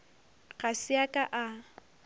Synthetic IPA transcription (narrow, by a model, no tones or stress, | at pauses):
ɣasɪakʼaʔa